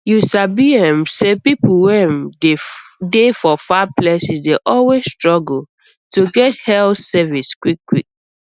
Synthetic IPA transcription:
jusabiɛ̃msepipl̩wɛ̃ndedefɔfaplɛsisdeʔɔlwesstɹɔɡl̩ | tuɡɛthɛlθsɛviskwikːwḭk̚

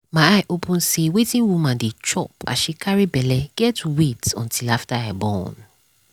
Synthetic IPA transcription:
mãaɪʔopʰũnsewetʰĩnwumãndet͡ʃɔ̰pa̰ʃikʰaɹibɛlɛɡ̥ɛtuwetɔ̰̃ntʰilaftaabɔ̰̃n

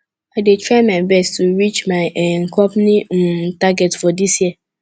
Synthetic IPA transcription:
adetʰɹaɪmãɪbɛstʰuɹit͡ʃmaɪʔŋ̩kʰɔpnɪ̃m̩taɡɛtfɔdisjiə

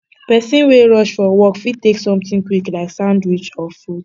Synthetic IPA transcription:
pɛsĩnweɹɔʃfɔwɔkfit̚teksɔ̃mtĩŋkwiklaɪksãʊ̃ndwit͡ʃɔfud̥

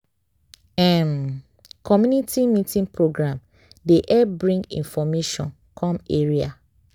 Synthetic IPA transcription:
ɛm | kʰɔmjunitimitĩŋpʰɹoɡɹãm | deʔɛbɹĩŋɡḭ̃nfɔmeʃɔ̰̃n | kʰɔ̃meɹia

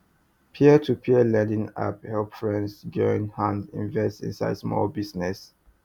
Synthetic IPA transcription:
pʰiətʰupʰiəlɛ̃ndĩna̰phɛlpfɹɛ̃ndsd͡ʒɔĩnhãndḭ̃nvɛstḭ̃nsa̰ɪd̥smɔ̰lbisnɛs

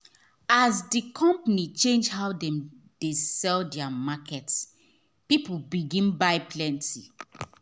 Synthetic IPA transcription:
azdikʰɔ̃mpanit͡ʃẽnd͡ʒɦaʊdɛ̃m | d̥esɛldɛamakɛts | pipubiɡĩnbaɪplɛ̃ntʰi

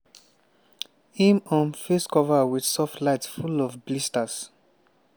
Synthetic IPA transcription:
ĩmɔ̃nfeskɔvawidsɔftlaɪtsfulɔfblistas

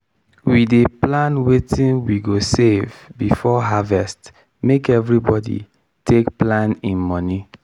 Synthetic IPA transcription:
wideplãnwetʰĩnwiɡosevbifɔɦavɛst | mekɛvɹibɔdḭ | tʰekplãnĩnmɔni

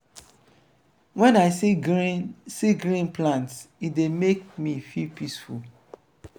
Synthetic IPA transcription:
wɛ̃naɪ | siɡɾĩnplãntsitdemek̚mifilpisful

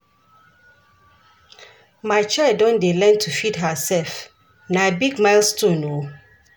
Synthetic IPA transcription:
maɪt͡ʃʰaɪldːɔ̃ndelɛ̃ntʰufidɦəsɛlf | nabiɡmaɪlstʰũno

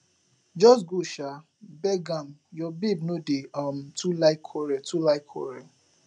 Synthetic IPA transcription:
d͡ʒɔs̬ɡuʃa | bɛɡamjɔbibnodeam̩tʰulaɪkʰɔɾɛtulaɪkʰɔ̰ɹɛ

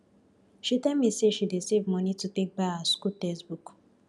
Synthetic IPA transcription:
ʃitɛlmiseʃidesevmɔ̃nitutek̚baaskutɛsbuk

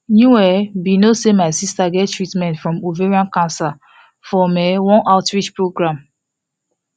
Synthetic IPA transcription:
njuwɛbinosemaɪsistaɡɛttɹitmɛ̃ntfɹɔ̃muveɹiãnkãnsa | fɔmɛwɔ̃nʔaʊtɹit͡ʃpɹoɡɹãm

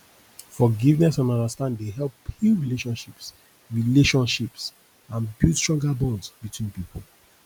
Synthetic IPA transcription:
fɔɡivnɛsɔ̃nɔ̃ndastãnddeɦɛlphuɹileʃɔ̃nʃips | ɹileʃɔ̃nʃips | ãnbitstɹɔ̃ŋɡabɔ̃ndsbitwĩnpipʰl

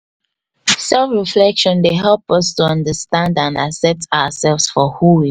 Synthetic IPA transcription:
sɛlfɹiflɛkʃɔ̃ndeɦɛlpɔstuʌ̃ndəstãndãnasɛtawəsɛlvsfɔhuwi

